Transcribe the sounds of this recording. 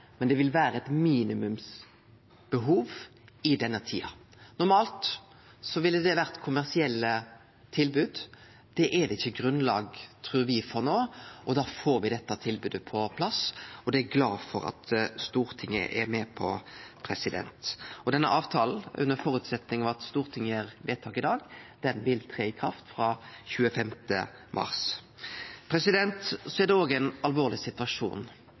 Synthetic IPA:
mɛnd̪ɛʋɪlʋæːɾəɛt̪miːnɪmʉms | b̥əɦuːʋɪd̪ɛnːət̪ʰḭːɑnʊɾmɑːlt̪ | sɔʋɪlːəd̪ɛʋæʁt̪kʰʊmæʁsɪɛlːə | t̪ʰɪlbʉːd̪ | d̪̥ɛʔɛd̪ɛɪçːəɡɾʉnlɑːɡt̪ʰɾʉːɾʋɪfɔʁnoːɔd̪ɑːfoːɾʋɪd̪ɛt̪ːɑt̪ʰɪlbʉːd̪əpʰɔpʰlɑsɔd̪ɛæɡlɑ̰ːfɔɾɑ̰t̪st̪uːɾt̪ʰɪŋːə̰ʔɛ̰mɛpʰɔpʰɾɛsɪd̪ɛ̰nt̪ɔd̪ɛnːəʔɑːʋt̪ʰɑːln̩ʔʉ̰nːəɾfɔːɾʉːt̪sɛt̪nɪŋɑʋɑt̪st̪uːɾt̪ʰɪŋːəæɾʋeːt̪ʰɑːkɪd̪ɑːɡd̪̥ɛnʋɪlt̪ʰʁeːɪkʰɾɑft̪fɾɑːçʉːəfɛmt̪ə | mʔɑ̰ɾs | pʰɾɛsɪd̪ɛnt̪sɔɛʁd̪ɛoːɡænɑlʋoːʁlɪsɪt̪ʉɑʂṵːn

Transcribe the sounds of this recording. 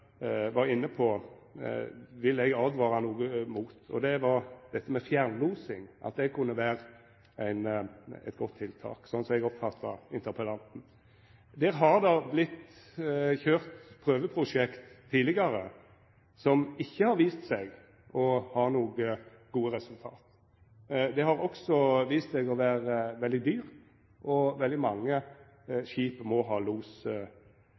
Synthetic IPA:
ʋɑʁɪnːəpʰɔ | ʋɪlːɛɡɑld̪ʋɑːɾɑnuːɡəmuːt̪ʰɔ̰d̪ɛʋɑɾd̪̥ɛt̪ːəmɛfjæɾnluːsɪŋʔɑ̰t̪̚d̪ɛɡ̚kʰʉnːəʋæːɾə | æɪnæ̰ɪt̪ɡɔt̪ʰːɪlt̪ʰɑ̰ːksɔnːsɔmɛɡɔpfɑt̪ʰːɑɪnt̪əɾpʰəlɑnt̪n̩ | d̪ɛːɾɦɑɾd̪ɑblɪt̪ː | çøːʁt̪pʰʁøːʋəpʰɾʊʂɛkt̪ʰːiːlɪɡɑɾə | sɔmɪçːəhɑɾʋiːst̪sɛɡ | ʔɔhɑːnuːɡə | ɡuːəʁɛsʉlt̪ʰɑ̰ːt̪ | d̪ɛhɑɾɔksɔʋiːst̪sɛɡɔʋæːɾəʋɛld̪ɪd̪yːʁ | ʔɔʋɛld̪ɪmɑŋːə | ʃiːpəmɔɦɑːluːsə

